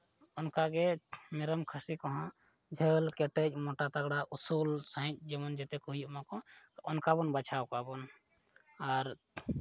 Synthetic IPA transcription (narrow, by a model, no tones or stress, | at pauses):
unkaɡemeɾəmkʰəsikɔɦɔ̃ | d͡ʒʱəlkeʈet͡ʃmoʈat̪əɡɽaʔusulsəɦĩt͡ʃ̚d͡ʒemənd͡ʒet̪ekuɦijumãkɔ̃onkabənbət͡ʃʰaokabən | aɾ